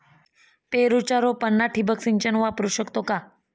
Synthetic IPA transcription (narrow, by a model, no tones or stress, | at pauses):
peɾut͡ʃaɾopənːaʈʰibəksiɲt͡ʃənʋapɾuʃəkt̪oka